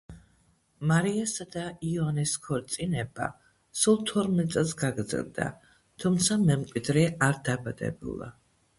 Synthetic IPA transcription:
maɾiasad̪aianiskʰɔɾt̪sʼinɛba̰ | sulˠt̪ʰɔɾmɛt̪ʼsʼɛlˠsɡaɡɾd̪zɛ̰lˠd̪a̰ | t̪ʰumt̪sʰamɛmkʼwid̪ɾɛaɾd̪abad̪ɛ̰bṵlˠa̰

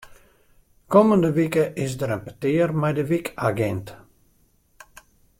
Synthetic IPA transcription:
koməndəʋikəʔɪsdəɾənpətɪːərmɛjdəʋikaɡɛnt

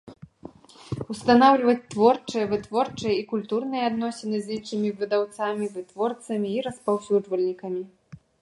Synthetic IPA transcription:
wst̪anawlʲivɐt͡sʲt̪vɔrt͡ʂɨjɐvɨt̪vɔrt͡ʂɨjɛikulʲt̪urnɨjɛad̪nɔsʲɛnɨzʲinʂɨmʲivɨd̪awt̪samʲivɨt̪vɔrt̪sɐmʲiːɾɐspawsʲud͡ʐvɐlʲnʲikɐmʲi

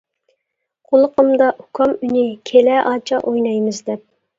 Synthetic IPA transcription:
qʰolˠəqəmd̪ɑʔukʰɑmynɪkʲʰelɛʔɑːt͡ʃʰɑ̰ʔojnɑjmɨzd̪ɛp̚

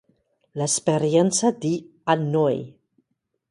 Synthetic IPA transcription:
lespeɾjɛnsad̪i | anːoj

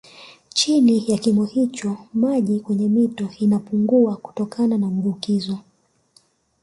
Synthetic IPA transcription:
t͡ʃinijakimɔhit͡ʃɔmaʄikwɛɲɛmitɔinapuŋɡuaku̥tɔkananam̩vukizɔ

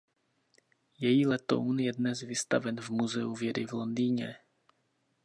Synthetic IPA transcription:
jɛjilɛt̪o̰wnjɛd̪nɛzvɪst̪a̰vɛnvmuzɛuvjɛɾɪvlond̪iːɲɛ

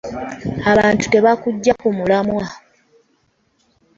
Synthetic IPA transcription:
aβaːntu̥te̞βakuɟːakumulamwa

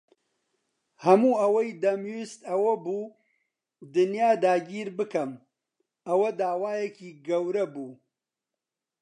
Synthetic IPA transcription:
hɐmuːɐwɐjd̪ɐmjist̪ɐwɐbuː | d̪ɨnjaːd̪aːɡiːɾbɨkɐm | ɐwɐd̪aːwaːjekiːɡɐwɾɐbuː

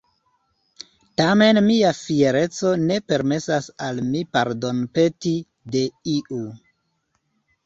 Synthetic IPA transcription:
tame̞nmiafie̞ɾe̞t͡so̞ne̞pe̞ɾme̞sasalmipaɾdo̞npe̞ti | de̞iʔu

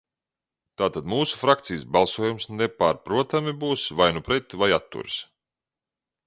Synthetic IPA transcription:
t̪aːt̪ad̪muːsu̥fɾak̚t̪sijsbalˠsuɔjumsnepaɾpɾuɔt̪amibuːsvajnupɾɛt̪vajat̪ːṵɾs

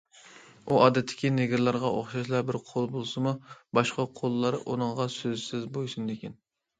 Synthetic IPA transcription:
uʔɑːd̪ɛt̪ʰːɪ̥kʲineɡʲiɾlˠɑɾʁɑʔoχʃɑʃlˠɑbɪɾqʰolˠbolˠsɨmubɑʃqɑqʰolˠːɑɾʔunɨŋʁɑsøzsɪzbojsund̪ekʲin

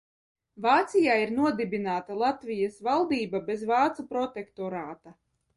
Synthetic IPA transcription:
vaːt̪sijaːiɾnuɔd̪ibinaːt̪alˠat̪vʲijasvalˠd̪iːbabɛzvaːt̪supɾɔt̪ekt̪ɔɾaːt̪a

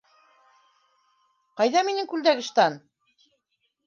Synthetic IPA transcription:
qɑjðɑminɘŋkʉld̪æɡɘ̆ʃt̪ɑn

